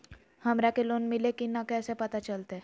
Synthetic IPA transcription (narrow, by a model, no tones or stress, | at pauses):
həmɾakeloːnmilekinakɛːsepət̪at͡ʃəlt̪e